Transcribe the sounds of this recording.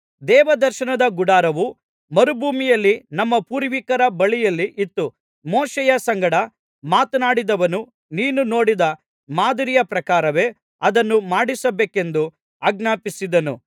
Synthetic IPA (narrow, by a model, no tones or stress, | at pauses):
d̪ɛːʋɐd̪ɐɾʃɐnɐd̪ɐɡuɽaːɾɐʋu | mɐɾubʱuːmijɐlːinɐmːɐpuːɾʋikɐɾɐbɐɭijɐlːiʔit̪ːu | moːʃɛjɐsɐŋɡɐɽɐ | maːt̪ɐnaːɽid̪ɐʋɐnu | niːnuno̞ːɽid̪ɐ | maːd̪ɐɾijɐpɾɐkaːɾɐʋe̞ː | ɐd̪ɐnːumaːɽisɐbeːke̞nd̪u | aːɡnaːpisid̪ɐnṵ